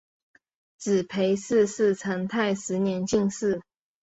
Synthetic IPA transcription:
t͡sɹ̩˨˩pʰe˧˥ɪsɹ̩˥˧s̩˥˩ʈ͡ʂʰə˧˥ŋt̪ʰa˥˩ɪʂɻ̩˧˥njɛ˧˥nt͡ɕi˥˧ŋsɹ̩˥˩

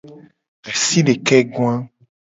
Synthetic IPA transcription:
ɣɛ˨si˦ɖe˨kɛ˦ɡw̃ã˦

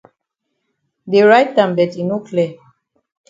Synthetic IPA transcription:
de˨ɹajt̚dã˨mbɛ˨tĩ˨nu˦klɛ˨

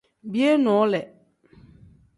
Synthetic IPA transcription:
bi˦e˦nɔ̃˨˦lɛ˨

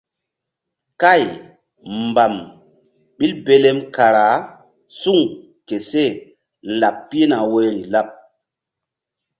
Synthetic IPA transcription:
ka˦˨j | mba˨m | ɓi˦lbe˦le˦mka˨ɾa˨˦ | su˦˨ŋ | ke˨se˦˨ | n̩˨a˨pːi˦e˦na˨we˦ɾi˨la˦p̚

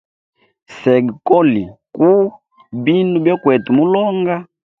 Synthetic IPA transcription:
sɛ˨ɡi˨kɔ˦li˨ku˦ | bi˦nu˦bjɔ˦kwɛ˨tu˨mu˦lɔ˦ŋɡa˦

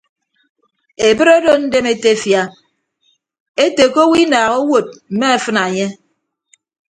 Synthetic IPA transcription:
e˨bɨ˦ɾo˦do˦n̩˦de˦me˦te˦fja˦ | e˦te˨ko˦wi˦naː˨ɣo˦wo˨t̚m̩˨me˦a˨fɨ˦na˨ɲe˦

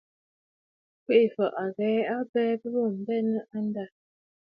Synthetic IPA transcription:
kwe˦ʔi˨fə˨ʔa˨ɣɛː˨˦a˦bɛː˦bə˦bo˦˨m̩˨bɛ˦nə˦ʔa˦n˦da˦˨

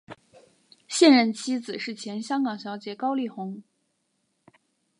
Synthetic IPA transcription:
ɕjɛ˥˧nɻə˥˩nt͡ɕʰi˥d͡zɹ̩˨˩ʂɻ̩˥˩t͡ɕʰjɛ˧˥nɕjɑ˥ŋkɑ˨˩ŋɕjɑ˧˥ʊt͡ɕjɛ˧˥kɑ˥ʊli˥˩xʊ˧˥ŋ

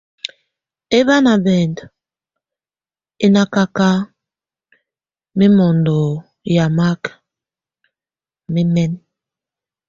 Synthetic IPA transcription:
e˦βa˦na˨bɛ˨nd | i˦na˦ka˦ka˦ | mi˦mɔ˨ndo˨ | ja˨ma˦k | mi˦mɛ˦n

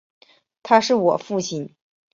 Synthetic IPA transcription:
t̪ʰa˥ʂɻ̩˥˩wɔ̰˨˩fu˥˩ɕi˥˩n

